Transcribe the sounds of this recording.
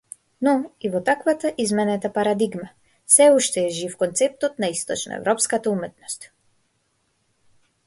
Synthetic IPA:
nɔivɔt̪akvat̪aʔizmɛnɛt̪apaɾad̪iɡma | sɛuʃt̪ɛːʒifkɔnt̪sɛp̚t̪ɔt̪naist̪ɔ̰t͡ʃnɔ̰ɛ̰vɾɔpskat̪aumɛt̪nɔst̪

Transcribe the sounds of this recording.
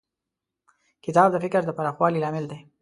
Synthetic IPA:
kɪt̪ɑb̚d̪əfɪkɾd̪əpaɾɑxwɑlilɑmɪld̪e

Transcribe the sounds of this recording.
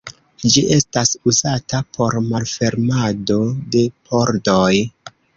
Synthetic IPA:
d͡ʒiʔe̞stasuzatapʰo̞ɾmalfe̞ɾmado̞de̞pʰoɾdoj

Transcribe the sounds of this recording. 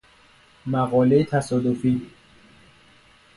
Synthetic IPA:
mæɣɒːlejet̪ʰæsɒːd̪ofi

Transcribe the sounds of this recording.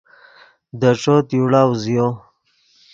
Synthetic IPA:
d̪əʈ͡ʂot̪juɽaːwzijo

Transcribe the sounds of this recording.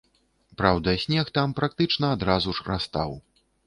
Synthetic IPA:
pɾawd̪ɐsʲnʲɛxt̪ampɾak̚t̪ɨt͡ʂnɐːd̪ɾazuʂrast̪aw

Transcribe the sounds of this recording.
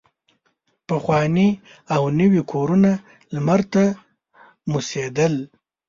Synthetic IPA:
pəxwɑni | awnəwikʰoɾuna | lmaɾt̪a | mused̪əl

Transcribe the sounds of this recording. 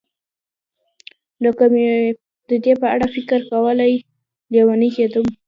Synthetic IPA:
ləkame | d̪əd̪epəaɽafɪkəɾkawəlaj | ljewanixed̪əm

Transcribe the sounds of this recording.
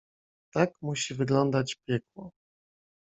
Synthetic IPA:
t̪akmuɕivɘɡlɔnd̪at͡ɕpʲjɛkwɔ

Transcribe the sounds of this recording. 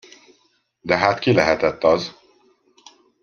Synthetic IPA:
d̪ɛɦaːt̪kilɛɦɛt̪ɛt̪ːɒz

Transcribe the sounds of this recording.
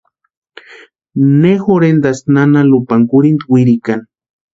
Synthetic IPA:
nexoɾend̪asnanalupaŋkuɾind̪wiɾikan

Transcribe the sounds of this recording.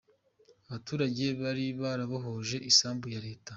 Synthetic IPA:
aβatuːɾaɟe̞βaɾiβaːɾaβoɦoʒe̞ʔisaːmbujaɾe̞ːta

